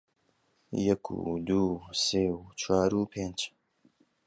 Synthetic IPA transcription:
jɐkʰṵd̪uːseːut͡ʃʰwaːɾuːpʰend͡ʒ

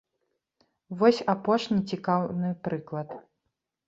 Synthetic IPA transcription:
vɔsʲapɔʂnʲit͡sʲikawnɨpɾɨklˠɐt̪

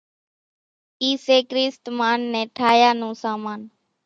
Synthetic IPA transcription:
iːseːkɾiːst̪maːnːẽːʈʰaːjaːnũːsaːmaːn

